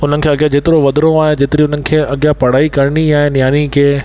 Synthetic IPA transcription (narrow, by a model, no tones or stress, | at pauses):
ʊn̤ənɪ̆kʰeːɐɠjãd͡ʑeːt̪ɪɾoʋɐd̪ɾõaːɦɪ̃d͡ʑeːt̪ɪɾiʊnənɪ̆kʰeːɐɠɪjapɐɽ̤aːikɐɾniaːɦẽnɪjaːnikʰeː